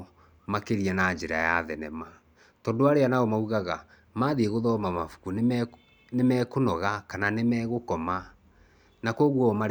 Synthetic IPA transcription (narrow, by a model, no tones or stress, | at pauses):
makeɾiɛnad͡ʒeɾa̰jaðɛnɛma | tɔːndoaɾeanaɔmauɣaɣa | maðieɣoðɔmamafu̥ku | nemɛːkonɔɣakananemɛːɣokɔma | nakɔɣwɔma